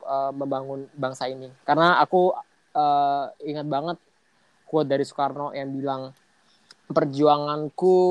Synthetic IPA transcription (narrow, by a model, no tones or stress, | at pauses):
əməmbaŋʊnbaŋsainikarnaaku | əiŋat̪̚baŋət̪̚ | kuat̪̚daɾisu̥karnɔjaŋbilaŋ | pərd͡ʒuaŋanku